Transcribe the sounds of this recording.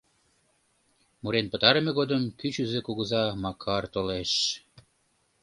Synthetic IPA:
muɾenpə̆t̪ɑɾemeɣod̪əmkyt͡ɕyzekuɣəzɑmɑkʰɑrt̪oleʃ

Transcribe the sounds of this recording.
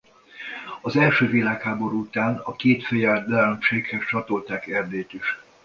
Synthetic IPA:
ɒzɛlʃøːvilaːkhaːbo̞ɾuut̪aːnɒkeːt̪fejɛd̪ɛmʃeːkhɛst͡ʃɒt̪o̞lt̪aːkɛrd̪eːt̪iʃ

